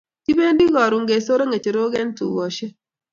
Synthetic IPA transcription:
ti˦be˦ndi˦ɡɔ˨ɾu˨ŋɡe˨so˦ɾo˦ŋe˨t͡ʃe˨ɾo˦ɡɛ˦ntṵ˨wo˨ʃe˦

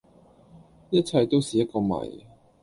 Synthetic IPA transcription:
jɐ˥t̚t͡sʰɐ˧jt̪o˥wsiː˨˩jɐ˥t̚kɔː˧mɐ̰˨˩j

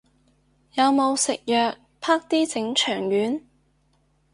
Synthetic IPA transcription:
jɐ˨˧wmo˨˧wsɪ̰˨k̚jœː˨k̚ | pʰaː˥k̚t̪iː˥t͡sɪ˨˥ŋt͡ʃʰœː˨˩ŋjyː˨˥n

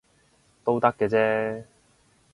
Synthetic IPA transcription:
t̪o˥wt̪ɐ˥kːɛː˧t͡sɛː˥

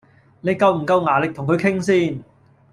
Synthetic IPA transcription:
ne˨˧jkɐ˧wm̩˨˩kɐ˧wŋaː˨˩lɪ˨k̚t̪ʰʊ˨˩ŋkʰɵ˨˧ɥkʰɪ˥ŋsiː˥n

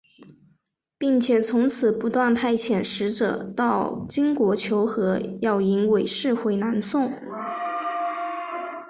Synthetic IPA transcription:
pi˥˩ŋt͡ɕʰjɛ˨˩t͡sʰʊ˧˥ŋt͡sʰɹ̩˨˩pu˧˥t̪wa˥˧npʰa˥˩ɪt͡ɕʰjɛ˨˩nʂɻ̩˧˥ʈ͡ʂɤ̰˨˩˦t̪ɑ˥˩ʊt͡ɕi˥ŋkwɔ˧˥t͡ɕʰjo˧˥ʊxɤ˧˥jɑ˥˩ʊi˧˥nwe˨˩ɪʂɻ̩˥˧xwe˧˥ɪna˧˥nsʊ˥˩ŋ

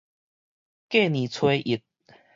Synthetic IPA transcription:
ke˥˧˨nĩ˨t͡sʰwe˦ʔi˨˩t̪̚

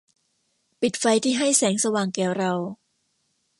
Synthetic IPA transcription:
pi˨˩t̪̚fa˧jt̪ʰiː˥˩ɦa˥˩jsɛː˩˦ŋsa˧waː˨˩ŋkɛː˩˦wɾa˧w

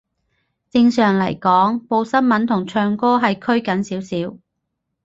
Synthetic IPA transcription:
t͡sɪ˧ŋsœː˨ŋlɐ̰˨˩jkɔː˨˥ŋpo˧wsɐ˥nmɐ˨˥nt̪ʰʊ˨˩ŋt͡ʃʰœː˧ŋkɔː˥ɦɐ˨jkʰɵ˥ɥkɐ˨˥nsiː˨˥wsiː˨˥w

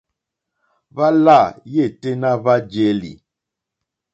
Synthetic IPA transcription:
va˦la˦˨je˦˨te˦na˦va˦d͡ʒe˦lḭ˨

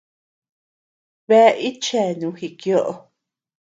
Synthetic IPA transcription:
βe˦˧ʔi˦t͡ʃe˦˨nũ˨˦hi˧˨kjo˦ʔo˧

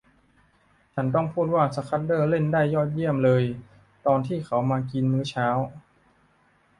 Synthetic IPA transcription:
t͡ɕʰa˦˥nt̪ɔ˥˩ŋpʰuː˥˩t̪̚waː˥˩sa˧kʰa˦˥t̪̚dɤː˥˩le˥˩ndaː˥˩jːɔː˥˩t̪̚ji˥˩əmlɤː˧j | t̪ɔː˧nt̪ʰiː˥˩xʰa˩˥wmaː˧ki˧nmɯː˦˥t͡ɕʰaː˦˥w

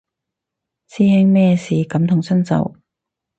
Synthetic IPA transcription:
t͡sʰiː˥hɪ˥ŋmɛː˥˧siː˨kɐ˨˥mt̪ʰʊ˨˩ŋsɵ˥nt͡sɐ̰˨w

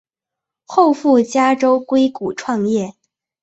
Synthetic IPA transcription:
xo˥˧ʊfu˥˩t͡ɕja˥ʈ͡ʂo˥ʊkwe˥ɪku˨˩ʈ͡ʂʰwɑ˥˧ŋjɛ˥˩

